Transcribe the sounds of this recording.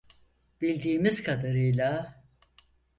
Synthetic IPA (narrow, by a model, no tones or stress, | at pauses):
b̥ilʲd̪iːmizkʰad̪aɾɯjlˠa